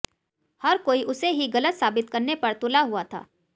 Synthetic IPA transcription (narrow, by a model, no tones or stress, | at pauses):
hɐɾkoːiʔʊseɦiɡɐlət̪saːbɪt̪kɐɾnepɐɾt̪ʊlaɦuat̪ʰa̰ː